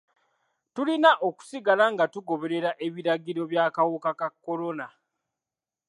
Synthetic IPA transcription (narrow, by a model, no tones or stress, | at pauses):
tulinaʔo̞ku̥siɡalaŋɡatuɡo̞βe̞ɾe̞ɾaʔe̞βiɾaɡiɾo̞βjaːkawokakakːo̞lo̞na